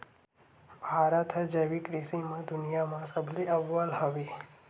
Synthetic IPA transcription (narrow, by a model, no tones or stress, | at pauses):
bʱaːɾət̪ɦɐd͡ʒɐʋikɾisimə̃d̪ʊnijamãsɐbʱliɐʋːəlɦɐʋeː